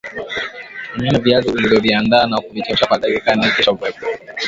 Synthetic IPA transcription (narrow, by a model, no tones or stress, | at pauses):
aɲɔnɛviaziulivjɔviandaːnakuvikiʃakwaɗakikanikɛʃavwɛbɔ